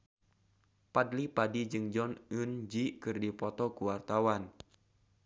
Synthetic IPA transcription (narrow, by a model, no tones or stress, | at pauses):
padlipadid͡ʒɨŋd͡ʒɔnɨnd͡ʒikɨrdipɔt̪ɔkuwart̪awan